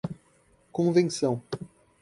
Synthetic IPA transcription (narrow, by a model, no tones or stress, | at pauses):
kõvẽsɐ̃w̃